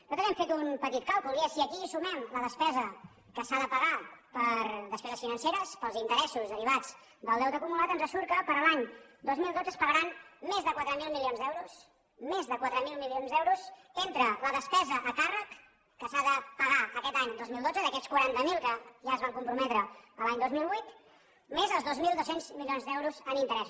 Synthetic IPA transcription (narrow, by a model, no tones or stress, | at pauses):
nɔt̪əβɛmfet̪unpət̪it̪̚kawkulˠiəsiəkiːsumɛmləðəspɛzə | kəsaðəpəɣapəɾðəspɛzəsfinənseɾəspəlˠzint̪əɾɛsuzðəɾiβ̞ad͡z | d̪əlˠd̪ɛwt̪əkumulat̪ənzəsuɾkəpəɾlaɲd̪ozmilˠd̪od͡zəspəɣəɾanmezðəkwat̪ɾəmilˠmilionzðɛwɾus | mezðəkwat̪ɾəmilˠmilionzðɛwɾuzent̪ɾələðəspɛzəʔəkarəkː | əsaðəpəɣaəkɛt̪aɲd̪ozmilˠd̪od͡zəðəkɛt͡skwəɾant̪əmilˠkəʒaəzβaŋkumpɾumɛt̪ɾəəlaɲd̪ozmilˠβwit̪ | mezəlˠzðozmilˠd̪osenzmilionzðɛwɾuzənint̪əɾɛsu